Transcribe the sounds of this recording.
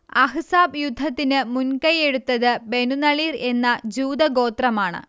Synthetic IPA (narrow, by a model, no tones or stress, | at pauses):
ɐɦɨsaːbjud̪ʱːɐt̪ːinɨmunkɐje̞ɽut̪ːɐðɨbe̞nunɐɭiːre̞nːɐd͡ʑuːd̪ɐɡo̞ːt̪rɐmaːɳɨ̰